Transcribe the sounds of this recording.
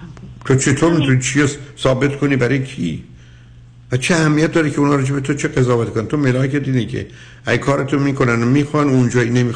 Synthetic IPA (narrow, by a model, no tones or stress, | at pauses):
t̪ʰot͡ʃʰe̞t̪ʰoɾmit̪ʰunit͡ʃʰiosɒːbe̞t̪kʰoniːbæɾɒjecʰiː | væt͡ʃʰeæhæmːijæt̪̚d̪ɒːɾecʰeunhɒːɾɒːd͡ʒe̞bet̪ʰot͡ʃʰeɡezɒːvæt̪ikʰonænt̪ʰomelɒːkʰed̪iːnecʰḛ | æɡækʰɒːɾet̪ʰomiːkʰonænomiːxonund͡ʒɒːinemiː